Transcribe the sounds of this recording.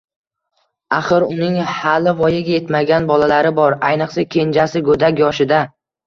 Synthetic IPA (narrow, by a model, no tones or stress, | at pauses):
aχɨɾʊnɪŋhalːɪvɒjɪɡʲaje̞t̪maɡʲanbɒlalaɾɪbɒɾajnɨqsɪkʲʰe̞nd͡ʒasɪɡɵd̪akʲjɒʃɪd̪a